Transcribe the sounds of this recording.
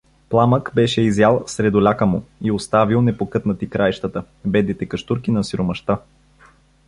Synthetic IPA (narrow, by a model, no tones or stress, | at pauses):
plˠaməkbɛʃɛizjalˠsɾɛd̪olʲakəmuiost̪avilˠnɛpokɤt̪nət̪ikɾajʃt̪ət̪ə | bɛd̪nit̪ɛkɐʃt̪uɾkinɐsiɾomɐʃt̪a